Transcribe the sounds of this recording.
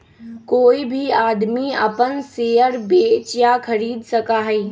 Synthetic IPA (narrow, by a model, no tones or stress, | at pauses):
koːibʱiaːd̪miə̰pənseːəɾbeːt͡ʃjakʰəɾiːd̪səkaɦɛiː